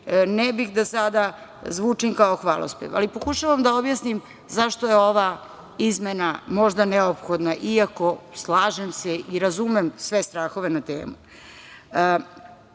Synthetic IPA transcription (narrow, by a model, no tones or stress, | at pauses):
nɛbixd̪asad̪a | zʋuːt͡ʂimkaoxʋaːlo̰spḛʋa̰lipo̞kuʃaʋamd̪aobjasnim | zaʃt̪ojeoʋa | izmenamo̞ʒd̪aneopxod̪naʔiako̞slˠaːʒemseʔiɾazumemsʋest̪ɾaːxo̞ʋenat̪ḛːmu